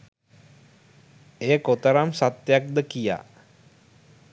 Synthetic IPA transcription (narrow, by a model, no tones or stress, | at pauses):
ejəkot̪əɾamsat̪jak̚d̪əkija̰